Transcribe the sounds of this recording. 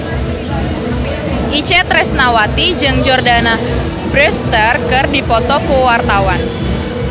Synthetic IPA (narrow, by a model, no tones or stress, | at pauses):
ʔit͡ʃɛt̪ɾɛsnawat̪id͡ʒɨŋd͡ʒɔrdana | bɾɛst̪ərkɨrdipɔt̪ɔkəwart̪awan